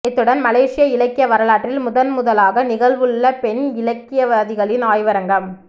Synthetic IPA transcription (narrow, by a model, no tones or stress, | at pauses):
ɪt̪ːɯɽɐnmɐleːʂɪjɐɪlɐkːɪjɐʋɐɾɐɭaːʈrɪlmʊðɐnmʊðɐlaːɣɐnɪɣɐlʋɯɭːɐpɛnɪlɐkːɪjɐʋɐðɪɣɐɭɪnaːjʋɐɾɐŋɡɐm